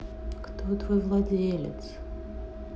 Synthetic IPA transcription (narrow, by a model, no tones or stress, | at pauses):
kt̪ot̪vojvlˠadʲelʲɪ̰t̪s